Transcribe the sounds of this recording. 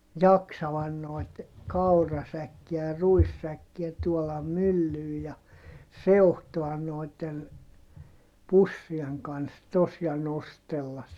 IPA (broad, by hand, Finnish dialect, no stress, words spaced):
jɑksɑʋɑn noi̯t kɑurɑsækːiæ jɑ ruisːækːiæ tuolɑm mylːyː jɑ seuhtoɑn noˑi̯tːen pusːieŋ kɑns tos jɑ nostelːɑs